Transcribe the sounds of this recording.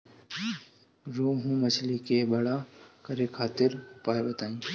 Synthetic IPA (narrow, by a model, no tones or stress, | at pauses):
ɾoːɦũmɐt͡ʃʰlikebɐɽakəɾekʰaːt̪ɪɾpaːebət̪aːĩː